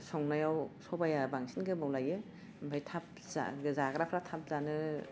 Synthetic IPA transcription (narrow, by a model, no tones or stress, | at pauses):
sɔŋnajawsɔbajabaŋsʰinɡɯmawlajɯ | mbajtʰap̚ | za̰ɡɯzaɡɾapʰɾatʰap̚zanɯ